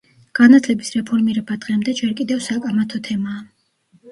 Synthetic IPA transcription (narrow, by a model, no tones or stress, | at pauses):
ɡ̥anat̪ʰlɛbisɾɛpʰɔɾmiɾɛbad̪ʁɛmd̪ɛd͡ʒɛɾkʼid̪ɛvsakʼamat̪ʰɔt̪ʰɛmaː